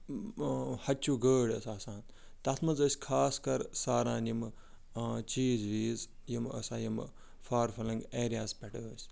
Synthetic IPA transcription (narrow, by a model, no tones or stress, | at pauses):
hɐt͡ʃuːɡəːɽɐsaːsãːn | t̪ɐt̪ʰmɐzəːsʲkʰaːskɐɾsaːɾãːnjim | t͡ʃiːzʋiːzjimə̰sãːjim | faːɾfɐlɐŋɡeːɾijaːspʲɐʈə̰ːəːsʲ